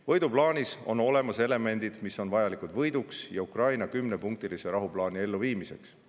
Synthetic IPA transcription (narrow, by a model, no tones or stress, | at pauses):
vɤjd̪̥uplɑːnʲiso̞no̞le̞mɑse̞le̞me̞nd̪id̪̥miso̞nvɑjɑlikud̪vɤ̞jd̪uksjɑukrɑjnɑkymne̞puŋk̚t̪iliseɾɑɦuplɑːnie̞lːuviːmise̞̰ks